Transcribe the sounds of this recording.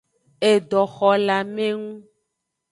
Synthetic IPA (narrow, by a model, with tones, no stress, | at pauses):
e˨ɖɔ˨xɔ˨la˨mẽ˦ŋũ˦